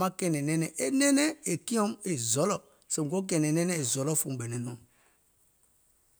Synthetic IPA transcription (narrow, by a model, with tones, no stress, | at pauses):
a˦kɛ˦˨nɛ˨nɛ˦nɛ˨ʔe˦nɛ˦nɛ˦e˨ki˦ɔ˦me˨zɔ˨˦lɔ˦ | se˨m˨ɡo˦k̬ɛ˨nɛ˨nɛ˦nɛ˦e˨zɔ˨lɔ˦fu˨m˨bɛ˨nɛ˨nɔ˨m